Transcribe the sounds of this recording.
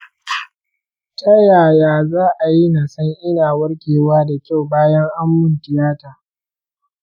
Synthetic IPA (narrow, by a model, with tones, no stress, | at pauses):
tʰa˦jaː˨jaː˦zaː˦ʔa˨ji˦na˨sɐ˦ŋʔɪ˦naː˨wɐ˦ɽkʲeː˨waː˦da˨kʲa˦˨wbaː˦jɐ˦ŋʔa˦mːʊ˦ntɪ˨jaː˦taː˨